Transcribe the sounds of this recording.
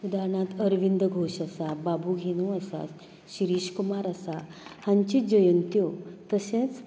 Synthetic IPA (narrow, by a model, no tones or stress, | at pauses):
ud̪aɾɳãt̪əɾʋind̪əɡʱoɕasababuɡʱenũasa̰ | ɕiɾiːɕkumaɾasahãɲt͡ɕid͡ʑəjənt̪ijot̪əsẽt͡s